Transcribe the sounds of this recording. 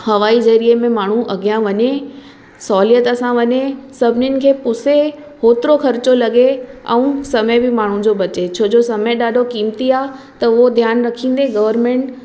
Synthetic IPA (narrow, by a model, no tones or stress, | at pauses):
hɐʋaːizɐɾiemẽmaːɳ̤ũʔɐɡijãʋɐɲe | sɔːlijət̪ɐsãʋɐɲesɐbʱɪnɪnɪ̆kʰeːpʊse | hoːt̪ɪɾoxʰɐɾɪt͡ɕolɐɡeɛ̰̃ũsɐməbɪmaːɳ̤ũd͡ʑobɐt͡ɕet͡ɕʰoːd͡ʑosɐməeɗaːɖʱokiːmt̪iaːɦ | t̪ɐʊod̪ʱjaːnɾɐkʰĩːn̆d̪eɡɐʋəɾmẽɳʈ